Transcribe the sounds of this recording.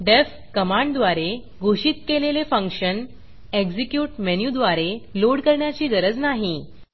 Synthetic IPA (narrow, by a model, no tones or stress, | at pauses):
ɖef | kəmaɳɖd̪ʋaɾe | ɡʱoɕiːt̪̚kelelefəŋkʂən | eɡd͡zikjuːʈmɛnjud̪ʋaɾeloɽkəɾɳjat͡ɕiːɡəɾəd͡znaɦi